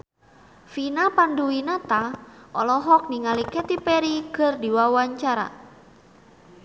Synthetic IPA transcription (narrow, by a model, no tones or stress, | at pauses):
finapanduinat̪aʔɔlɔɦɔk̚niŋalikɛt̪ipɛɾikərdiwawaɲt͡ʃaɾa̰